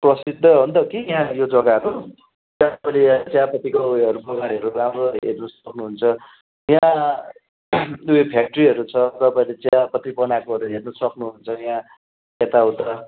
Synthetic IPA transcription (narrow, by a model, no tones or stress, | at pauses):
prʌsid̪ʱːʌbʌnd̪ʌkijãjod͡zʌɡaɦʌɾu | tãlet͡sjapʌt̪ːikaueɦʌɾubʌɡaɾiɦʌɾuramrʌɦḛrnʌsʌknuɦunt͡sʰʌ | jã | uepʰjak̚ʈʌriɦʌɾut͡sʰʌt̪ʌpaĩlet͡sjapʌt̪ripʌnakoɦʌɾuɦernʌsʌknuɦunt͡sʰʌjã | et̪aɦũt̪ʌ